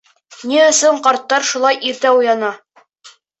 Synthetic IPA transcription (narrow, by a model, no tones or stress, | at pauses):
niɵ̆sɵɴqɑɾt̪ːɑɾʃulˠɑjʔiɾt̪æujɑnɑ